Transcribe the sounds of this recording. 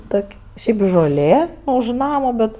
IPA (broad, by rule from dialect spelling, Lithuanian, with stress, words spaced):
ˈtoːkʲ ˈʃʲɛɪp ʒoːˈlʲeː ʊʃ ˈnɑːmɐ ˈbʲɛt